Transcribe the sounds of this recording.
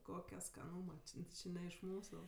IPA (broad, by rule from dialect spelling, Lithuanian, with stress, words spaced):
ˈkoːkʲɛ skɐˈnuːmɐ ˈt͡ʃʲɪ ˈt͡ʃʲɪ nʲɛ ɪʃ ˈmuːsʊ